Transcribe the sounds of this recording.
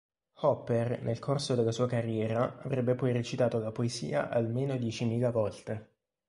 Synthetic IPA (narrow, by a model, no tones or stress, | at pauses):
hɔpːernʔelkʰorsod̪elːasuːakarːjɛːɾaavɾɛbːepɔjret͡ʃit̪aːt̪olapoezḭːa̰ʔalmeːnod̪jɛt͡ʃimiːlavɔlt̪e